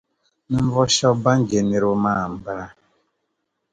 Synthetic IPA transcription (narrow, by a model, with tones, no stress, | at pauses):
n̩˦vɔ˦ʃɔ˦ba˦ŋ̩˦d͡ʒe˨ni˨ɾʊ˦ma˦˨m̩˨bɾa˦